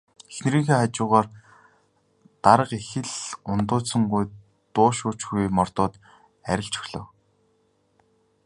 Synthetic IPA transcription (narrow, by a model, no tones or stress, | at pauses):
exn̆ɾiːŋxeːχat͡ɕʊːʁaːr | t̪aɾə̆qexɘ̆ɮʊnt̪ʊːsə̆ŋɢuj | t̪ʊːʃʊːt͡ɕɡujmɔrt̪ʊːt̪ | æɾʲɪ̆ɬt͡ɕɵ̥xɮə̰̆w